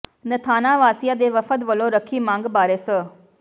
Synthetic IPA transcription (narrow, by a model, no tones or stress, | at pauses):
nət̪ʰaːnaʋaːsijad̪eʋəfət̪ʋəloɾəkʰimãːŋɡbaːɾesə